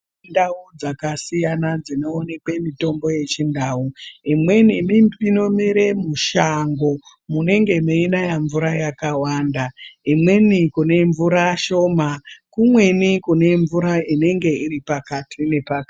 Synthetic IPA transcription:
ndaud͡zakasijanad͡zino̞ːne̞kwe̞mito̞mbo̞je̞t͡ʃindaːuimwe̞nimiino̞miɾe̞muʃaŋɡo̞ | mune̞ŋɡe̞meinajaɱvuɾajakawaːndaimwe̞nikune̞ɱvuɾaʃo̞makumwe̞nikune̞ɱvuɾaine̞ŋɡe̞iripakatʰine̞pak

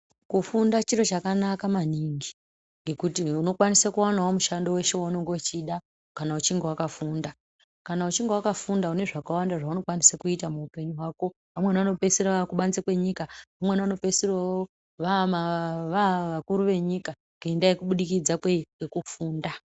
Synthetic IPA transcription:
kufundat͡ʃiɾo̞t͡ʃakanakamaniːŋɡi | ŋɡe̞kutiuno̞kwanisakuwanawomuʃandowe̞ʃewanoŋɡot͡ʃiɗa | kanaut͡ʃiŋɡewakafuːnda | kanaut͡ʃiŋɡewakafundaune̞ʐakawandaʐauno̞kwanisakuitamuupe̞ɲuɦwaːko̞ | ʋamwe̞nano̞pe̞sirakuɓant͡sakwe̞ɲikaʋamwe̞nano̞pe̞sirawo | ʋamaʋaʋakuɾuʋe̞ɲika | kendaekuɓuɗikid͡zakweiŋɡe̞kufuːnda

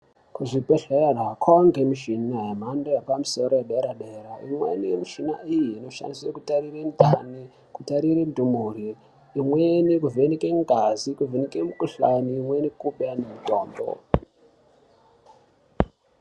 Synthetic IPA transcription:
kuʐipeɬerakʰoŋɡemiʃinaɦem̤andojepamusoɾojeɗeɾaɗeraimwḛnijemiʃinaijiːno̞ʃa̰nisekutarirendʱani | kutaɾiɾendʱumuriː | mwenikuvenikeŋɡʱazikuvenikemukuɬaniːmwenikuɓanemitoːmbo̰

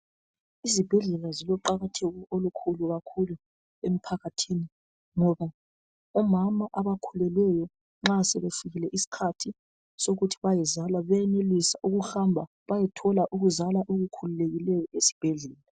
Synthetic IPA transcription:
izib̥ʱɛɮɛlazilɔǃaɣatʰeɣuolukʰuluɣakʰulu | em̩pʰaɣatʰini | ŋɔβa | ɔmamaʔaβakʰulɛlɛjɔ | ŋ͡ǁasɛβefiɣilɛʔisi̥kʰatʰi | soɣutʰi̥βajɛzalaβɛɛnelisauɣuxambʱa | βajɛtʰɔlaʔuɣuzalaʔoɣukʰululeɣilɛjɔʔesi̥b̥ʱɛɮɛːla

